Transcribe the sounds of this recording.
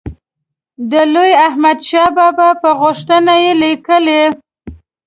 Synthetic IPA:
d̪əlojahmad̪ʃɑbɑbapəɣʊʂt̪ənajelikəle

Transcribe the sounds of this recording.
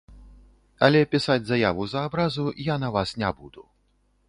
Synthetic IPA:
ɐlʲɛpʲisad͡zʲzɐjavuzɐːbɾazujanɐvasnʲabud̪u

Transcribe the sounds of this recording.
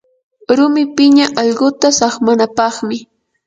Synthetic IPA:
ɾʊmɪpɪɲaʔɑʎɢʊt̪asɑχmanapɑχmɪ

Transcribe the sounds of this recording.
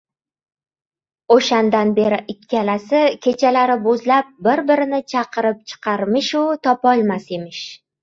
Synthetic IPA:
oʃand̪anbeɾɪʔɪkʲʰːalasɪkʲʰe̞t͡ʃʰalaɾɪbozlap̚bɪɾbɪɾɪnɪt͡ʃʰɑqʰɨɾɪp̚t͡ʃʰɨ̥qʰɑɾmɪʃʊt̪ʰɒpɒlˠmase̞mɪʃ

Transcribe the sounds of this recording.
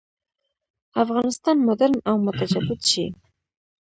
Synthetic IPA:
afɣɑnɪst̪ɑnmʊd̪aɾnawmʊt̪ad͡ʒad̪ɪd̪ʃḭ

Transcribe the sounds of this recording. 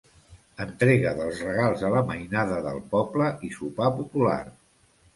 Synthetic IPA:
ənt̪ɾeɣəðəlˠzrəɣ̞alˠzələməjnaðəðə̰lˠpɔbləʔisupapupula̰r

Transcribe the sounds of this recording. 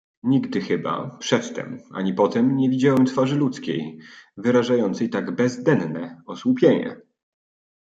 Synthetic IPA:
ɲiɡd̪ɘxɘba̰pʂɛt̪ːɛ̰ma̰ɲipɔt̪ɛmɲɛvʲid͡ʑawɛmt̪faʐɘlut̪skʲḛjvɘɾaʐajɔnt̪sɛjt̪aɡbɛzd̪ɛnnɛɔswupʲjeɲɛ̰

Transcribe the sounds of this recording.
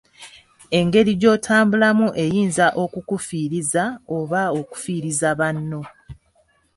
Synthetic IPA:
e̞ŋɡe̞ɾiɟo̞ːtʰaːmbulamuʔe̞jiːnzaʔo̞kukufiːɾizaoβao̞ku̥fiːɾizaβanːo̞

